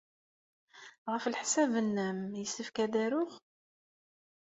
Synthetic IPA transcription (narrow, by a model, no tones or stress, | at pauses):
ʁəflħsævənːæmjəsəfkæd̪æɾʊχ